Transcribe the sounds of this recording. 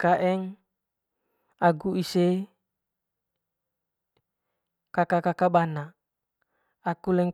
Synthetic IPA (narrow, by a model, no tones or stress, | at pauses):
kaʔɛŋ | aɡuise | kakakakabana | akulɛŋ